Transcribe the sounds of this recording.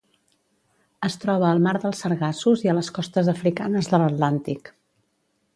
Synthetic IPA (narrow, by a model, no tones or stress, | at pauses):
əst̪ɾɔβ̞əːlˠmaɾðəlˠsəɾɣasuziələskɔst̪əzəfɾikanəzðələt̪lant̪ik